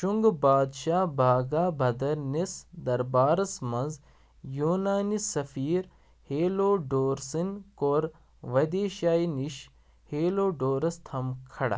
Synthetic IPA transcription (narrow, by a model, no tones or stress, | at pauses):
ʃuŋɡbaːd̪ʃaːbʱaːɡaːbʱɐd̪ɐɾnesd̪ɐɾbaːɾɐsmɐnz | juːnaːnisɐfiːɾ | heːloːɖoːɾsɐnkoːɾ | ʋɐd̪eːʃaːiniʃ | heːloːɖoːɾɐst̪ʰɐmkʰɐɽa̰